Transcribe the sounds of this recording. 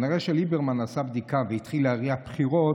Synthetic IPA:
niʁeʃelibeʁmanasabd̪ikavehit̪χileaʁiapχiʁo

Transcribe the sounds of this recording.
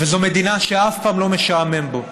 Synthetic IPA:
vezomed̪inaʃeafpaːmlo̞meʃaame̞mbo

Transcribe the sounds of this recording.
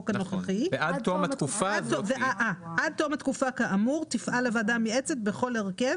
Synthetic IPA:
kannoχaχivead̪t̪omakufaad̚t̪oveaʔaʔad̪̚t̪omhat̪kufakaʔamuʁt̪ifʔalavadamiet͡set̚be̞χo̞leʁkev

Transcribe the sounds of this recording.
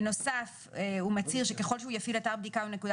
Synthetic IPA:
no̞saf | eumat͡siʁʃe̞ke̞χo̞lʃeujafilataʁbd̪ikaune̞kud̪

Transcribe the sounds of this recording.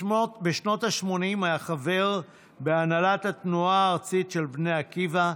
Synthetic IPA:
beʃno̞thaʃmo̞nimajaχave̞ʁ | beanalatat̪nuaːʁt͡sitʃe̞lbne̞jakiva

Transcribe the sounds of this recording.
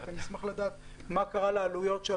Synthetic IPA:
anismaχlad̪aːt̪ | makaʁalealujo̞tʃe

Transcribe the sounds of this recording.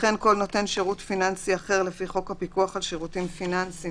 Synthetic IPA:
χenko̞lno̞te̞nʃeʁutfinansiaχe̞ʁlefiχo̞khapikuaχalʃeʁutimfinansi

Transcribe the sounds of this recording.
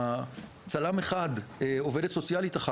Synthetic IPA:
t͡salameχadeo̞vedetso̞t͡sjalit̪aχa

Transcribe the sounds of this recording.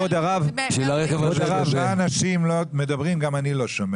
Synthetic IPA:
od̪aʁavʃilaʁekevodaʁavaanaʃimlomed̪abʁimɡamanilo̞ʃome

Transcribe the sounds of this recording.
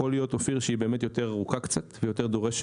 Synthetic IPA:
olijo̞t̪ofiʁʃeibe̞ːmet̪jo̞te̞ʁaʁukakt͡sat̪vejo̞te̞ʁd̪o̞ʁeʃ

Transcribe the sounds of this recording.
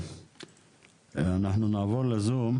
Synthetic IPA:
anaħnunaːvoɾlezum

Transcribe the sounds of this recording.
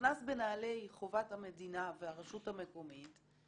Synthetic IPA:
nasbe̞naːle̞jχovathame̞dinaveaʁeʃuthame̞ko̞mit

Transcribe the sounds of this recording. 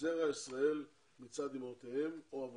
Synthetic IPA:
eʁaisʁae̞l | mit͡sad̪imot̪ehe̞moav

